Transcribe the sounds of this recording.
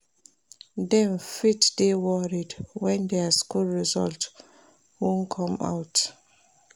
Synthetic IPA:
dɛ̃nfitdewɔɹidwɛ̃ndɛaskulɹizɔ̰lt | wũnkʰɔ̃ma̰wt

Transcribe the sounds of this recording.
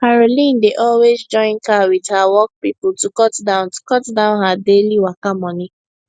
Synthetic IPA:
kaɹolĩndeʔɔlwezd͡ʒɔ̃ɪ̃nkawidhawɔk̚pipʊl̩tukɔtdãʊ̃ntu̥kɔtdãʊ̃nɦadeliwakamɔni

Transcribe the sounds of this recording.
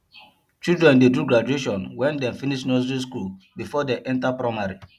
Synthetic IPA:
t͡ʃildɹɛ̃ndeduɡɹad͡ʒueʃɔ̃nwɛ̃ndɛ̃mfiniʃnɔsɹis̬kul | bifɔdeʔɛ̃ntapɹamaɹi

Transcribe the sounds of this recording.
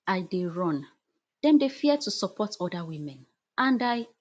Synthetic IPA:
aɪdeɹɔ̃n | d̥ɛ̃mdefiɛd̚tʰusɔpʰɔtʰɔdawĩmɛ̃n | ʔãndaj

